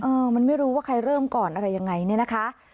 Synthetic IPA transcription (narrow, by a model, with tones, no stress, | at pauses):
ʔɤː˧ma˧nma˥˩jɾuː˦˥waː˥˩kʰa˧jɾɤː˥˩mkɔː˨˩nʔa˧ɾa˧jːa˧ŋːa˧jni˥˩ɐna˦˥kʰa˦˥ʔ